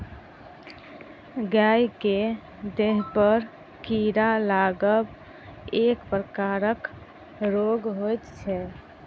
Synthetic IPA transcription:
ɡajke | d̪eɦpəɾ | kiɾalaɡəb | ekpɾəkaɾək | ɾoɡɦojt̪t͡ʃʰɛ

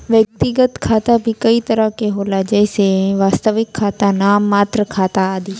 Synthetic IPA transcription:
ʋjək̚t̪ɪɡət̪kʰaːt̪abʱikɐit̪əɾəkeɦoːlad͡ʒaeseʋaːst̪əʋɪkʰːaːt̪anamaːt̪ɾəkʰaːt̪aːd̪iː

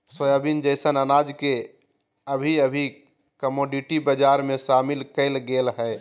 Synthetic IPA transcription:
səjabind͡ʒəɪsənənad͡ʒke | əbʱiəbʱi | kəmoɖiʈibəd͡ʒaɾmẽʃamilkəɪlɡelɦɛ

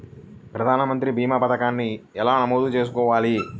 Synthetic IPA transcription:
pɾɐd̪ʱaːnɐmɐnt̪ɾibʱiːmɐpɐt̪ɐkaːnːiɛlaːnɐmoːd̪ut͡ʃe̞ːs̬ukɔːʋaːli

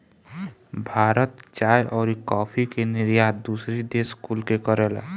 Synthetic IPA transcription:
bʱaːɾət̪t͡ʃaːjʔɔːɾikɔːpʰikenɪɾjaːd̪̚d̪uːsɾid̪eːskuːlkekəɾeːl̰

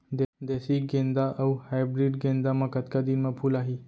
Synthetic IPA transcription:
d̪d̪esiɡẽnd̪aʔəwhajbɾiɖɡẽnd̪amakət̪kad̪inmapʰulaɦi

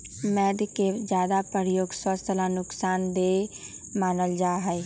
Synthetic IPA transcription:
mɛːɖked͡ʒjaːd̪apəɾjoːɡswəst̪lanʊksaːnd̪e | maːnəld͡ʒaːɦɛe

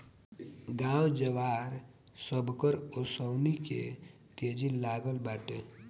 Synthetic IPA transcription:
ɡãːwd͡ʒəʋaːɾ | səbʱkəɾosəwnikḛ | t̪eːd͡ʒilaːɡəlbaːʈe

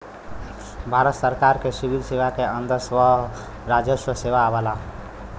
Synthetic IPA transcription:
bʱaɾət̪səɾkaɾkesibid̪sebakeənd̪əɾswəɦ | ɾad͡ʒəswəsebaːbala

